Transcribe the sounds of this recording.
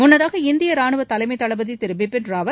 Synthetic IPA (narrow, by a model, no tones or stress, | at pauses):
mʊnːɐðaːɣɐɪnd̪ɪjɐɾaːɳɯʋɐt̪ɐlɐɪmɐɪt̪ːɐɭɐbɐðit̪ɪɾɯbɪpːɪnraːʋɐ